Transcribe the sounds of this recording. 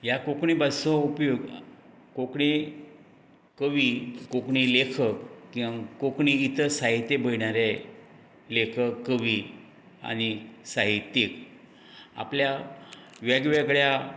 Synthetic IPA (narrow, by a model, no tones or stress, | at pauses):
jakokɳibasɔ̃upjoɡ | kokɳe | kəʋikokɳilekʰəkkĩʋãkokɳiːt̪ʰəsaɦit̪ːebəiɳaɾe | lekʰəkːəʋi | a̰ñisaɦit̪ːek | a̰plja | ʋjaɡʋakəɭja